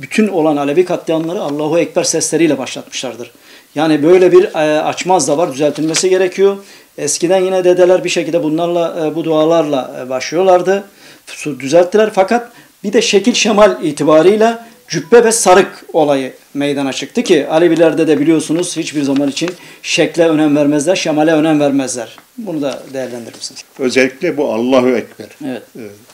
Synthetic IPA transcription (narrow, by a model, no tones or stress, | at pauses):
byt̪ʰyno̞lˠanalʲebikʰat̪lˠɯjanlˠaɾɯalˠːaːɦuɛcbæɾsɛslʲe̞ɾijlʲɛbaʃlˠat̪mɯ̥ʃlˠaɾd̪ɯɾ̥ | jaːnibø̞jlʲɛbiɾa̰t͡ʃmazd̪avaɾd̪yzælʲt̪ʰilʲmesiɟe̞ɾɛcʰijo̞ | ɛscid̪ænjinɛd̪e̞d̪elʲæɾbiʃecilʲd̪ɛbunlˠaɾlˠabud̪uaːlˠaɾlˠabaʃlˠɯjo̞lˠaɾd̪ɯ | sud̪yzælʲt̪ʰːilʲæɾfakat̪̚ | bid̪ɛʃɛcilʲʃemalʲiːt̪ʰibaːɾɯjlʲˠa | d͡ʒypːɛvɛsaɾɯko̞lˠajɯ | mejd̪anat͡ʃʰɯk̚t̪ʰɯcʰialʲibilʲæɾd̪ɛd̪ɛbilijo̞sunuz̥hit͡ʃbiɾzamanit͡ʃʰinʃɛclʲɛø̞næmvæɾmɛzlʲæɾʃemalʲɛø̞næmvæɾmæzlʲæɾ̥bunud̪ad̪ejæɾlʲænd̪iɾmisiniz̥ø̞zɛlʲːiclʲɛbuɑ̰lˠːaɦɯɛcbæɾevɛt̪̚ɛɛ